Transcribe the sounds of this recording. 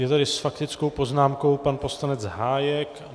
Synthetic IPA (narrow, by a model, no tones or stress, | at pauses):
jɛt̪adɪsfakt̪ɪt͡skowpo̞znaːmko̞wpanpo̞slanɛd͡zɦaːjɛk